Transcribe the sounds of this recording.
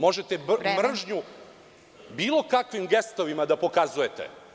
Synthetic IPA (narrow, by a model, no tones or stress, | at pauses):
mo̞ʒe̞t̪emr̩ʒɲu | biːlˠo̞kakʋimɡest̪o̞ʋimad̪apo̞kazuje̞t̪ḛ